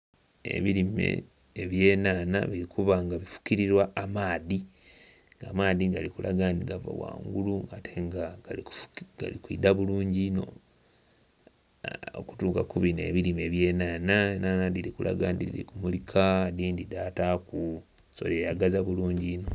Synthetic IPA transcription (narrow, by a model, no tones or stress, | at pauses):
ḛβiɾime̞̰ | eβje̞ːnaːna̰βiɾikuβaŋɡaβifu̥kiɾiɾwaːmaːði | ŋɡaːmaːðiŋɡalikulʔaɡandiɡava̰wa̰ːŋɡuluatʰe̞ŋɡaɡaliku̥ɡ̥a̰likwḭːdaβuluːɲɟino̞̰ | o̰ku̥tuːkakuβine̞̰βiɾime̞βje̞ːnaːnaenanadilikulʔa̰ɡandilḭkumulikʰadiːndidaːtaku | so̞̰lejaɡazaβuluːɲɟiːno̞